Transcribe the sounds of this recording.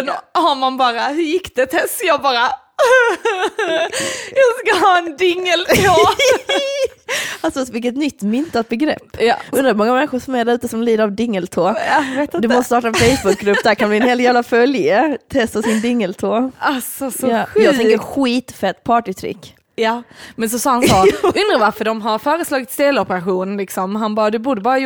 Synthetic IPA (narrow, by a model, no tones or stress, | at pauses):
d̪haɾmanbɑːɾahɵɾjɪkːd̪ɛt̪ʰɛst̪jɑːɡbɑːɾa | jɑskaɦɑːɛnd̪ɪŋːəlt̪ʰoː | alsɔvɪlkət̪nʏt̪ːmʏnt̪at̪̚bɛɡɾɛ̰pːɵnɾamɔŋːamɛnɧʊɾʂɔmɛɖæɾʉ̟ːt̪əsɔmliːd̪əɾavd̪ɪŋːəlt̪ʰoːvet̪d̪ɵmmɔst̪əst̪ɑːʈaɛnfejsbʊk̚ɡɾɵpd̪æɾkʰanblɪɛnheːlt̪jæːvlafœljət̪ʰɛst̪əsɪnd̪ɪŋːəlt̪ʰoːasɔjɑːɡ̪ɛŋkəɾɧiːt̪fɛt̪ːpʰɑːʈɪt̪ʰɾɪ̰kː | jɑmɛns̬ɔsɑːhansɔɵnd̪ɾavaɾfəɖɔmɦaɾfœːɾəslɑːɡɪt̪st̪eːlɔpəɾaɧuːnənlɪksɔmɦanbɑːɾad̪ɵbuːɖəbɑːɾa